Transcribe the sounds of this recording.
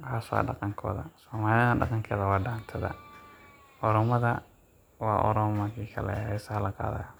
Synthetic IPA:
kʰaːswɑ̰ːɖɑqɑŋkʰɔ̰ːðɐsɔːmaːlɪɖɑ̰qɑŋkʰɛːðɐwɑːɖaːnt̪ʰɐðɐ̰ | ʔɔɾɔmɐðɐ | wɑːʔɔ̰ɾɔmmɐrkʰiːkʰɐlɛ̰ɦɛsɐɐlɐqɑ̰ːðɐ̰j

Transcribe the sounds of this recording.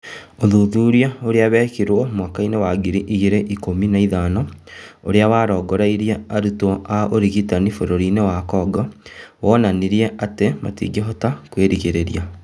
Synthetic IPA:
oðuðuːɾiaoɾeaβɛːkiɾwɔmwakainewaɡiɾiʔiɣeɾeʔikominaiðaːnɔoɾeawaɾɔɡɔɾaiɾiaaɾutɔʔaʔoɾiɣitanifoɾoɾinewakɔːɡɔwɔːnaniɾieʔatema̰tḭːɡeɦɔtakweɾiɣeɾeɾia

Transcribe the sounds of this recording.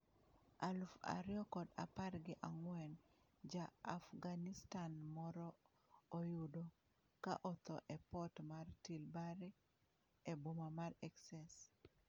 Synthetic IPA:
alfa̰ɾɪjɔkɔda̰parɡɪʔaŋwɛn | d͡ʒaːfɡanistanmɔɾɔː | jʊdɔ | ka̰ʔɔt̪ɔʔɛpɔtmartilbaɾi | ebomamarɛksɛs

